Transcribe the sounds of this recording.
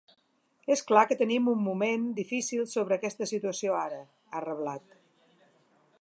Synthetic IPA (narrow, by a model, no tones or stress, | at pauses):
esklakət̪ənimumːumend̪ifisilˠsoβɾəːkɛst̪əsit̪uəsioaɾə | arəβlat̪